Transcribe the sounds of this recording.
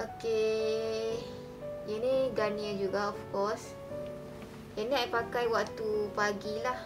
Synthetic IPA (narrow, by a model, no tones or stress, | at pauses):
ʔoke | jəniɡaniəd͡ʒuɡaɔfkɔs | janĩajpakajwaʔt̪upaɡilah